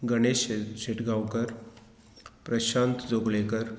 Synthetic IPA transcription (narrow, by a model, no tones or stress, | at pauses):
ɡəɽ̃eɕɕeʈɡawkəɾ | pɾəɕant̪d͡zoɡlekəɾ